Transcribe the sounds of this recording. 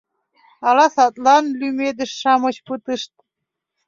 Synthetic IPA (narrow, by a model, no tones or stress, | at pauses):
ɑlɑsɑt̪lɑnlymed̪ə̆ʃʃɑmɤ̆t͡ɕpɨt̪ɨʃt̪̚